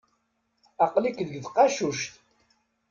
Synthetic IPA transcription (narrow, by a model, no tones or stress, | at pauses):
ɑqlikðəɡðqɑʃuʃt̪